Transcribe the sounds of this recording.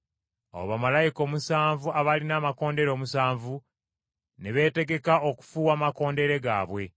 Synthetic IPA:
o̰βamalajiko̞ːmusaːɱvuaβalinaːmako̞ːnde̞ɾo̞ːmusaːɱvu | ne̞βe̞ːte̞ɡe̞kao̞ku̥fuːwaːmako̞ːnde̞ɾe̞ɡa̰ːβwe̞

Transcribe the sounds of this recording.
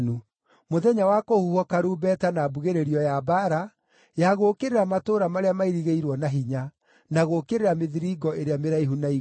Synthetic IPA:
nu | moðɛɲawakohuhɔkaɾuːbɛtanaːbuɣeɾeɾiɔjabaɾa | jaɣokeɾeɾamatoːɾamaɾeamaiɾiɣeiɾwɔnaɦiɲa | naɣokeɾeɾameðiɾiɡɔʔeɾeameɾaiɦunai

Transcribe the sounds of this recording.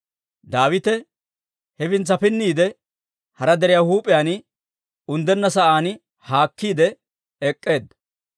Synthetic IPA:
d̪aːwɪt̪ɛ | hɛbɪnt͡sːɐpɪnːiːd̪ɛ | hɐɾɐd̪ɛɾɪjaːhuːpʼɪjaːn | ʊnd̪ɛnːɐsɐʔaːn | haːkːiːd̪ɛ | ɛkʼːe̞ːd̪

